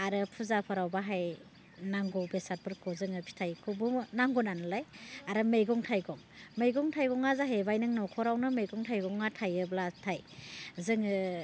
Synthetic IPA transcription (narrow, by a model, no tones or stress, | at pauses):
aɾɯpʰuzapʰaɾawbaɦaj | naŋɡɔbesat̚bɯɾkʰɔzɯŋɯpʰi̥tʰajkʰɔbunaŋɡɔnanlajaɾɯmejɡɔŋtʰajɡɔŋmejɡɔŋtʰajɡɔŋazaɦebajnɯŋnɔkʰɔɾawnɯmejɡɔŋtʰajɡɔŋatʰajɯblatʰajzɯŋɯ